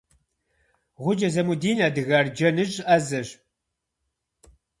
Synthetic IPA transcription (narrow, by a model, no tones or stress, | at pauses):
ʁʷʊd͡ʒɐzɐmudiːnaːdɨɣard͡ʒɐnɨʒʼɐzɐʒ